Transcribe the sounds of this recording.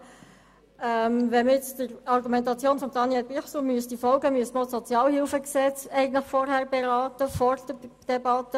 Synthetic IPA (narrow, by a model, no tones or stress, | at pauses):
ɛmʋɛməɪt͡sdəɾɑɾɡumɛntɑt͡sjoːnfɔmd̥̪ɑnjɛlbiχsomyəstifɔlɡəmyəsməosɔt͡sjɑːlhɪlfəksɛt͡sɛɪɡən̩tlɪχfɔɾhæɾbɛɾɑːtəfɔrd̥əd̥ɛbɑtːə